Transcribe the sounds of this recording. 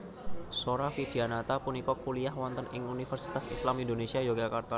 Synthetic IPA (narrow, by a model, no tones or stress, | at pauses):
soɾafid̪̥ianat̪apunikɔkuliahwɔnt̪ənɪŋunifərsi̥t̪asislamindonesiajoɡakart̪a